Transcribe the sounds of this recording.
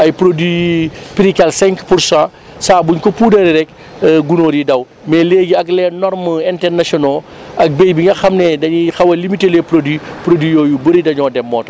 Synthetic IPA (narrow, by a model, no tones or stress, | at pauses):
ɐjpɾodwipiɾikɐlsɛ̃ŋkpuɾsã | saːbuɲkɔpuːdɐɾiɾɛk | ɡunoːɾjidɐw | mɛːleːɡiɐklɛnɔɾmɐɛntɛrnɐsɔnɔ | ɐk̚beːjbiŋɡɐxɐmnɛdɐɲixɐwɐlimitelɛpɾodipɾodwijɔːjubəɾidɐɲɔːdɛmːɔːtɐ